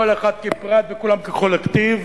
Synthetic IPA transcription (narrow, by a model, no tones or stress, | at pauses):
oleχat̪̚kepʁat̪vekulamkekolekt̪iv